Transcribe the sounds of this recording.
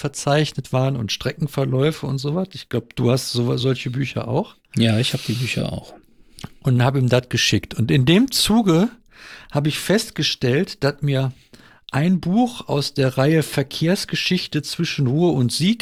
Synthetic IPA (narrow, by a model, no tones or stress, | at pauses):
fɛɐt͡saɪçnətv̥aːʁənʊntʃtʁ̥ɛkŋ̩fɛɐlɔʏfəʊ̰ntz̥oːvasɪçɡ̥laʊbəd̥ṵːhastz̥oːz̥ɔlçəbyːçɐ̰ʔa̰ʊx | jaːɪçhaːbəd̥iːbyːçɐ̰a̰ʊx | ʔʊnthaːbəiːmdat̚ɡ̥əʃɪktʰʊntɪndeːmt͡suːɡə | haːbəɪçfɛstɡ̥əʃtɛltd̥asmiːɐ | ʔaɪnbuːxʔa̰ʊsd̥eːɐʁaɪəfɛɐkʰeːɐsɡ̥əʃɪçtət͡sv̥ɪʃn̩ʁuːəʊntz̥iːk